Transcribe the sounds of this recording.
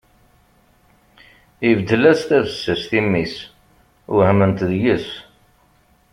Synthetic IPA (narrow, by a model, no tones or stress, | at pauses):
ivd̪ːəlæst̪ævəsːəsθimːis | ʊhəmənt̪ðjəs